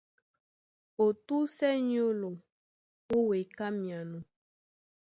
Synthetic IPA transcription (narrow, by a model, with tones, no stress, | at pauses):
o˨t̪u˦sɛ˦ɲi˦o˦lo˨ | wo˦we˨ka˦mĩ˨a˨nũ˨